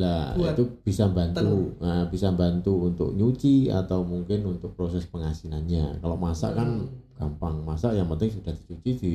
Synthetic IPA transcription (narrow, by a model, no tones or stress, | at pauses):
laḭt̪ub̥isambant̪uəbisambant̪uunt̪ʊ̰k̚ɲut͡ʃia̰t̪awmuŋkɪnunt̪ʊk̚pɾosɛspəŋasinanɲakalawmasa̰ʔkanɡ̥ampaŋmasaʔjaŋpənt̪ɪŋsud̥ahd̪̥i̥t͡ʃut͡ʃid̪̥i